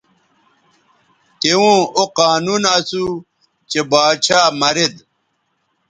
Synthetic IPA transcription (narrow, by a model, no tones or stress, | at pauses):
t̪eũːoqaːnunɐsu | t͡ɕebaːt͡ɕʰaːmɐɾed̪